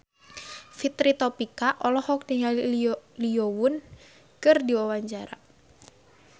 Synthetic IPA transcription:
fit̪ɾit̪ɔpikaʔɔlɔhɔk̚dəŋaliowʊn | kɨrdiwawaɲt͡ʃaɾa̰

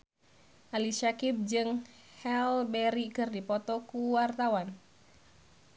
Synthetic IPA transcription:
ʔaliʃakib̚d͡ʒɨŋ | hɛlbɛɾikɨrdipɔt̪ɔkuwart̪awan

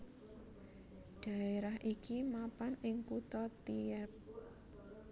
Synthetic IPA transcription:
ɖ̪̥ä̤eɾaɦʔikimapanɪŋkut̪ɔt̪iɛp̚

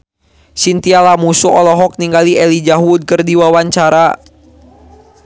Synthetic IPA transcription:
sint̪ialamusuʔɔlɔɦɔk̚niŋɡaliɛlid͡ʒaɦud̪̚kərdiwawaɲt͡ʃaɾa

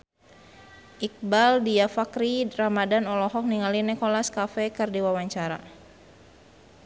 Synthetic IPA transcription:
ʔik̚baldiafakɾiramadanɔlɔɦɔk̚niŋalinɛkɔlaskafɛkɨrdiwawaɲt͡ʃaɾa̰

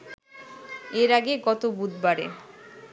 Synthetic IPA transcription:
eɾaɡeɡɔt̪obud̪baɾḛ

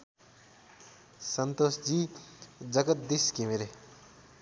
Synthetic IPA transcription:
sʌnt̪osd͡zid͡zʌɡət̪̚d̪iskimeɾe

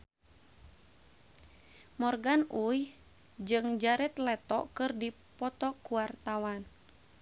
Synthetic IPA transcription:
mɔrɡanuj | d͡ʒɨŋd͡ʒaɾɛt̪lɛt̪ɔ̰ʔkɨrdi | pɔt̪ɔkuwart̪awan

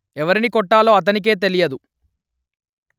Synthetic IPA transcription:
ɛʋɐɾinikɔʈːaːlo̞ːɐt̪̬ɐnik̬e̞ːt̪̬e̞lijɐd̪u

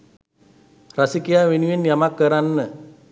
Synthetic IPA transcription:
rasikiawinwinjamakːəɾanːə

